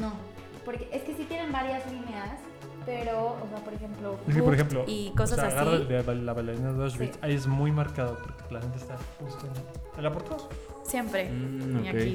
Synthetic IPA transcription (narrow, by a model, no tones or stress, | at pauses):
no | po̞ɾkeʔeskesit̪jenembaɾjazlineas | pe̞ɾoose̞apo̞ɾexe̞mploes̬keoɾexemploikosasasɣaɾðed̪eβalaβalaðinaðeðosβit͡ʃaie̞zmujmaɾkaðopoɾkelaxent̪est̪apust̪oelapoɾt̪aðo | sje̞mpɾe̞oiakei